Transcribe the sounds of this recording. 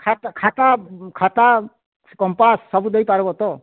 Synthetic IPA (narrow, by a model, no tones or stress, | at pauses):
kʰat̪kʰat̪akʰat̪a | kɔmpasːɔbud̪ejpaɾbɔt̪ɔ